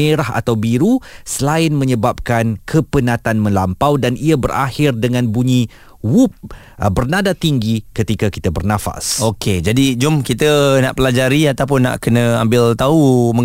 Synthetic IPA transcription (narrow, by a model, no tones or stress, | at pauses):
eɾaɦa̰t̪awbiɾusəlaɪnmə̃ɲəbap̚kankʰəpənãt̪anmə̃lampawdaniabəra̰hɪrdəŋãnbuɲi | wup̚ | əbərnadat̪iŋɡikət̪ikaki̥t̪abərnãfa̰sokʰed͡ʒadid͡ʒʊmkit̪əna̰ʔpəlad͡ʒaɾiat̪awp̬ʊnːa̰ʔkənə̃ambɪlt̪auməŋ